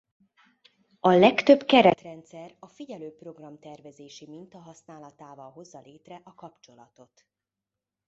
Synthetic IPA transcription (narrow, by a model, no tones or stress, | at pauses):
ɒlɛkt̪øbkɛɾɛt̪rɛnt̪sɛrɒfiɟɛløːpro̞ɡrɒmt̪ɛrvɛzeːʃimint̪ɒɦɒsnaːlɒt̪aːvɒlɦo̞zːɒleːt̪rɛʔɒkɒpt͡ʃo̞lɒt̪o̞t̪